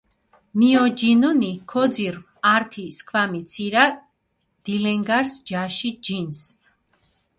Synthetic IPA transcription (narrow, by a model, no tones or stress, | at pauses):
miɔd͡ʒinunikʰɔd̪ziɾ | aɾt̪ʰiskʰvamit̪sʰiɾa | d̪̥ilɛŋɡaɾsd͡ʒaʃid͡ʒins